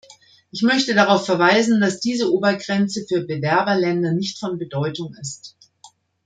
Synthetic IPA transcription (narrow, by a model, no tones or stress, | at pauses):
ʔɪçmœçtədaʁ̞aʊfɛɐvaɪzn̩d̥asd̥iːzəʔoːbɐɡʁɛnt͡səfyːɐbəvɛɐbɐlɛndɐnɪçtfɔnbədɔʏtʊŋɪst